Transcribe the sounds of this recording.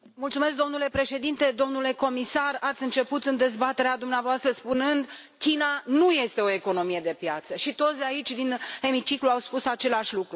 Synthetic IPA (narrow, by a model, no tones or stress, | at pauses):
mult̪sume̞s̬k̚d̪o̞mnule̞pɾe̞ʃe̞d̪int̪e̞d̪o̞mnule̞ko̞misarat̪sʲɨnt͡ʃe̞put̪ɨnd̪e̞zbat̪e̞ɾead̪umneavoast̪ɾəspunɨnd̪ | kʲinanuje̞st̪e̞o̞e̞ko̞no̞mije̞d̪e̞pjat̪səʃit̪o̞t̪sd̪eait͡ʃʲd̪ine̞mit͡ʃikluawspusat͡ʃe̞laʃʲlukɾu